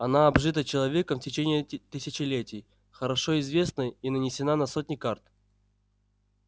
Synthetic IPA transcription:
ɐnaɐbʐɨt̪ət͡ɕɪlˠɐvʲe̞kəmftʲɪt͡ɕenʲɪːt̪ɨsʲɪt͡ɕɪlʲetʲɪj | xəɾɐʂoɪzvʲe̞snəinənʲɪsʲɪnanɐsot̚ʲnʲɪkart̪

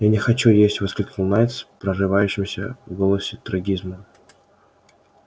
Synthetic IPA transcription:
janʲɪxɐt͡ɕujesʲtʲvɨskəlʲklˠnajt̪spɾəʐɨvajʉɕːɪmsʲə̰vɡolˠəsʲɪt̪ɾɐɡʲizmə

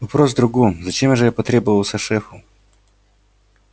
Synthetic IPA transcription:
ɔpɾɔzd̪ɾʊɡuzɐt͡ʃɛmʐɛjapɔt̪ɾʲɛbʊvɐwˠsʲɐʂɛfʊ

